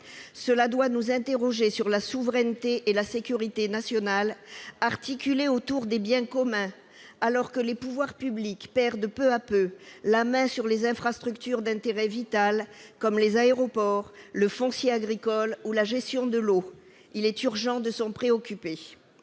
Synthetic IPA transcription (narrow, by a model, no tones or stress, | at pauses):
səlad̪wanuzɛ̃t̪eʁɔʒesyʁlasuvʁɛnt̪eʔelasekʲyʁit̪enasjɔnalaʁt̪ikʲyleot̪uʁd̪ebjɛ̃kɔmɛ̃ | alɔʁkəlepuvwaʁpyblikpɛʁd̪pøapølamɛ̃syʁlezɛ̃fχast̪χykt̪yʁd̪ɛ̃t̪eʁɛvit̪alkɔmlezaeʁɔpɔʁləfɔ̃sjeaɡʁikɔlulaʒɛst̪jɔ̃d̪əlo | ilɛt̪yʁʒɑ̃d̪əsɔ̃pχeɔkʲype